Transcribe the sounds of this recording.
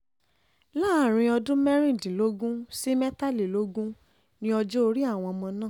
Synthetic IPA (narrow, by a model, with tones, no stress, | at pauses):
laː˦˨ɾ̃ĩ˧ɔ˧dũ˦mɛ˦ɾ̃ĩ˦˨dĩ˨lo˦ɡũ˦si˦mɛ˦ta˦˨li˨lo˦ɡũ˦ | nĩ˦ɔ˧d͡ʒo˦o˧ɾi˦a˦˨w̃ɔ̃˧mɔ̃˧nã˦˨